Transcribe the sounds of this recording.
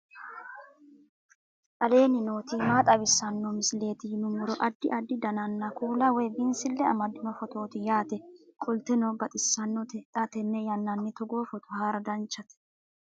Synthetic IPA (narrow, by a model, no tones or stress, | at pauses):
ʔʼɐle̞ːnɪnoːt̪imaːt̪ʼɐbɪsːɐnːɔmɪsle̞ːt̪ɪnʊmʊɾɔʔɐd̪ːɪ̰ʔɐd̪ːɪd̪ɐnɐnːɐkuːlɐwɛjbɪnsɪlːɛɐ̰mɐd̪ɪnɔfɔt̪o̞ːt̪ɪjaːt̪ɛkʼʊlt̪ɛnɔbɐt̪ʼɪsːɐnːɔt̪ɛt̪ʼɐt̪ɛnːɛjɐnːɐnːɛt̪ɔɡoːfɔt̪ʊhaːɾɐd̪ɐnt͡ʃːɐt̪ɛ̥